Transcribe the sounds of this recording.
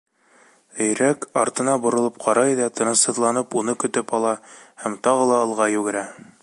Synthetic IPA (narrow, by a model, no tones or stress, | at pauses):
ɘ̆jɾækɑɾt̪ɤ̆nɑbŏɾŏlˠɤp̚qʰɑɾɑjðɑt̪ɤ̆nɤ̆sɤ̆ðlˠɑnɤpunɤkɵ̆t̪ɵpɑlˠɑhæmt̪ɑʁɤlˠɑɤ̆lˠʁɑjʉɡɘ̆ɾæ